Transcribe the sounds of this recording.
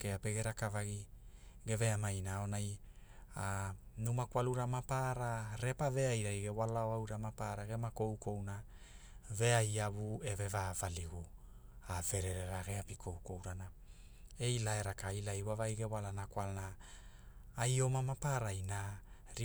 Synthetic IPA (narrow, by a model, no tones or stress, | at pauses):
keapeɡe̞ɾakavaɡiɡe̞ve̞amajnao̞naj | anumakwaluɾamapaɾaɾe̞pave̞ajɾajɡe̞walaoawɾamapaɾaɡemako̞wkʰo̞wna | ve̞ajaβue̞ve̞vavaliɡu | ave̞ɾe̞ɾe̞ɾaɡe̞apikʰo̞wko̞wɾana | e̞jlaeɾakailajwavajɡe̞walanakwalnaː | jo̞mamapaɾajnaɾi